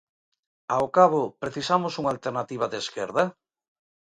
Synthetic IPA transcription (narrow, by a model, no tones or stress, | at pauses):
aokaβʊpɾeθisamʊsuŋalt̪eɾnat̪iβ̞ɐðeskɛɾðɐ